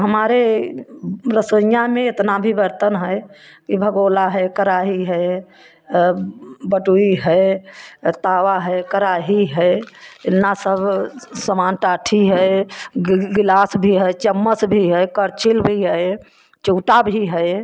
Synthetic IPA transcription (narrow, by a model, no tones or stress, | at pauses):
ɦəmaɾe | ɾəsəjameet̪nabʱibəɾt̪ənɦəj | kibʱəɡolaɦəjkəɾaɦiɦəe | bəʈuiɦəj | t̪aʋaɦəkəɾaɦiɦəenːasəbʱsəmanʈaʈʰiɦəj | ɡilasbʱiɦəjt͡ʃəmːəsbʱiɦəjkəɾt͡ʃilbʱiɦəj | t͡ʃuʈabʱiɦəj